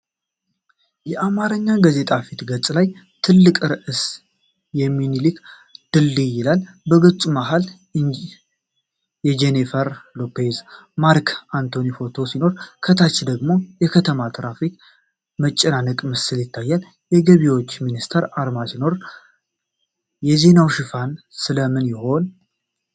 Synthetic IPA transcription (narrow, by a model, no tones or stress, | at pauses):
jɛʔamaɾəɲːaɡaze̞t̪ʼafit̪ɡət͡sʼlaj | t̪ʰɨlːɨkʼɾɨʔɨs | jɛmːinilɨk | d̪̥ɨlːijɪlal | bəɡət͡sʼumaɦal | jɛd͡ʒenifəɾlo̞pʰezmaɾkʰant̪ʰo̞nifo̞t̪ʰo̞sino̞ɾkʰət̪ʰat͡ʃːd̪əɡmo̞jɛkʰət̪ʰəmat̪ʰɾafik | mət͡ʃʼːɛnanɨkʼməsɨljɪt̪ʰːajːal | jɛɡəβiwot͡ʃːminist̪ʰəɾaɾmasino̞ɾ | jɛze̞nawʃɪfansɨləmɨnjɪho̞n